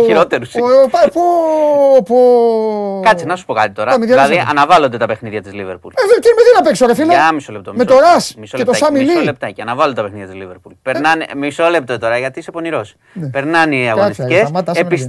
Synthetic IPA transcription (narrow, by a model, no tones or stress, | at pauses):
iɾot̪eɾuspɐpu | po | kɐt̪t͡sinɐsu̥po̞kɐt̪it̪o̞ɾɐɐmiðjɐðiʔɐ̰nɐvɐlond̪e̞t̪ɐpe̞xniðʝɐt̪izlivḛɾpṵleðet̪inmeðinɐpeksoɾefileɐmisolep̚t̪omeoɾɐsmisolet̪oɐsɐmilsilep̚t̪ɐceɐnɐvɐlot̪pexniðjɐt̪izliveɾpulpeɾnɐnmisole̞p̚t̪ot̪o̞ɾɐʝɐt̪isepo̞niɾo̞s | npe̞ɾnɐniɐɣoniscesmɐt̪ɐepis